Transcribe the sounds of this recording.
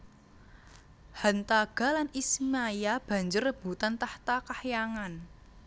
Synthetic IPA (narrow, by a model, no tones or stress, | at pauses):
hant̪aɡ̥a̤lanismajab̥ä̤ɲd͡ʒʊrːəb̥ṳt̪ant̪aht̪akahjaŋan